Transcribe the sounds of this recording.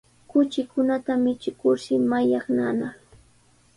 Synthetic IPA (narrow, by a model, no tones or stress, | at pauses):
kʊt͡ʃɪkʊnat̪amɪt͡ʃɪkʊɾʃɪmajaχnana